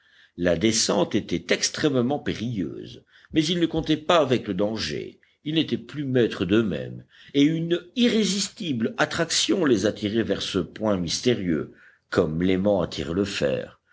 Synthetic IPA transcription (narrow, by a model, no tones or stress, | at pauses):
lad̪esɑ̃t̪et̪ɛt̪ɛkst̪χɛmmɑ̃peʁijø̰ːz | mɛzilnəkɔ̃t̪ɛpaːvɛkləd̪ɑ̃ʒḛ | ilnet̪ɛplymɛt̪χəd̪ømɛ̰m | eyniʁezist̪iblat̪χaksjɔ̃lezat̪ʰiʁɛvɛʁsəpwɛ̃mist̪eʁjø̰ | kɔmlemɑ̃at̪ʰḭʁləfɛ̰ːʁ